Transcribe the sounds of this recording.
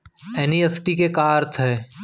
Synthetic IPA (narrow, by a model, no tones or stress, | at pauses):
ɛːniefʰʈikekaːɾt̪ʰɦɛː